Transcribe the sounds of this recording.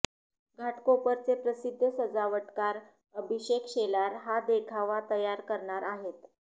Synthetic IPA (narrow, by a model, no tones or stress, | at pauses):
ɡʱaʈkopəɾt͡sepɾəsid̪ʱːəsəd͡zaʋəʈkaɾ | əbʱiɕekɕelaɾɦad̪ekʰaʋat̪əjaɾkəɾɳaɾaɦet̪